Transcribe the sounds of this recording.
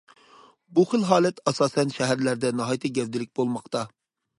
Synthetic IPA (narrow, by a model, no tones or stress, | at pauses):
buχəlɦɑːlˠɛt̪ɑsɑːsɛnʃɛɦæɾlæɾd̪ɛnɑɦɑːjt̪ʰɨɡʲɛvd̪ɪlɪk̚ʲbolˠmɑqt̪ɑ